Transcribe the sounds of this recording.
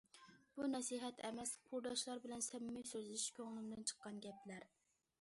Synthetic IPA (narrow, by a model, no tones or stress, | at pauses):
b̥unɛsiɦɛt̪ɛmɛsqʰuɾd̪ɑʃlˠɑɾbɪlɛnsɛmɪmɪjsøzlɪʃkʲøŋlɪmd̪ɪnt͡ʃʰə̥qːɑnɡʲɛplæɾ